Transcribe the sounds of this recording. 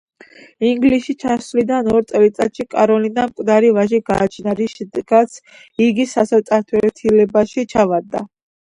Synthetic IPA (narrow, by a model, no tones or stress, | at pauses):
iŋɡliʃit͡ʃʰaslid̪anɔɾt̪sʼɛlit̪sʼat̪ʃikʼaɾɔlinamkʼd̪aɾivaʒiɡaːt͡ʃʰnaɾiʃɛd̪ɛɡ̥at̪sʰ | iɡisasɛvt̪sʼaɾt̪ʰwɛt̪ʰilɛbaʃit͡ʃʰavad̪a̰